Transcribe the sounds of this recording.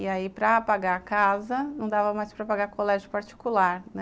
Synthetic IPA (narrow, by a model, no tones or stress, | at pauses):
iaipɾɐapaɡakazɐnɐ̃w̃d̪avɐmajspɾɐpaɡaɾkolɛʒʊpaɾt͡ʃi̥kulaɾnɛ